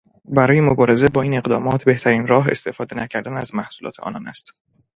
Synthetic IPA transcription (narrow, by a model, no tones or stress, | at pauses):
bæɾɒːjemobɒːɾe̞ze̞bɒːiːne̞ɢd̪ɒ̰ːmɒːt̪ʰbe̞ht̪ʰæɾiːnɾɒːɦe̞̰st̪e̞fɒːd̪e̞næcʰæɾd̪ænæzmæhsulɒ̰ːt̪ʰeʔɒ̰ːnɒːnæst̪